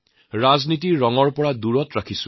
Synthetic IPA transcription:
ɹaznitiɔŋɔɹpɔɹaduɹɔtɹakʰisʊ̥̃

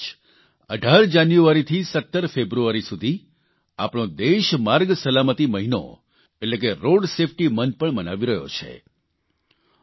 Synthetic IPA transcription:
əɖʱaɾd͡ʒanjuaɾit̪ʰisət̪ːəɾfebɾuaɾisud̪ʱi | a̰pɳ̃õd̪eʃmaɾɡsəlamət̪iməɦino̰ | etlek̬eɾoɖsefʰʈimənpəɳmənaʋiɾəɦjo̰t͡ʃʰḛ

